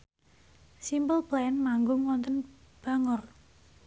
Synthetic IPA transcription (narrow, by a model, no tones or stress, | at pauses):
simpəlplɛnmaŋɡʊŋwɔnt̪ən | b̥a̤ŋɔr